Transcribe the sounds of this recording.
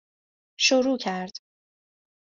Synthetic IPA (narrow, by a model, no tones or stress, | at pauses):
ʃoɾuːcʰæɾd̪̥